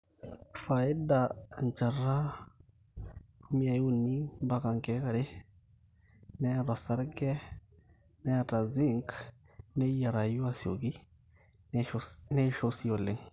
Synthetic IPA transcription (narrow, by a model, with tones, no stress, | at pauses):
fa˨e˦da˨nt͡ʃa˨rːa˦ | ku˦mi˦a˨˦u˦nːi˦ba˦ka˨ŋke˦ka˨ɾe˦ | nɛ˦ɾa˨sa˦ɾɡɛ˦ | nɛ˦˨ta˨zi˦ŋk | ne˦ja˨ɾa˨ju˦a˦si˨o˨ɡi˦ | nɛ˦ʃo˦si˦jo˨lːe˦˨ŋ